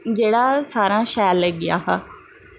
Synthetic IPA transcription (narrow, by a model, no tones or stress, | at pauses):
d͡ʒeːɽasaːɾãʃɛːlːəɡɪja̰ːɦaː